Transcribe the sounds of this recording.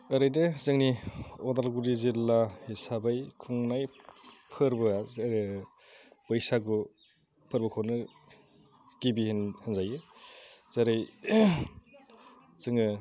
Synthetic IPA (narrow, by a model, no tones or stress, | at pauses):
ɐɾɯjdɯzɯŋniɔdalɡuɾizilːahisabajkʰuŋnajpʰɯɾbɯaɾ | bɯjsaɡu | pʰɯɾbɯkʰownɯ | ɡ̥ibihnhanzajɯ | z̥aɾɯj | zɯŋɯ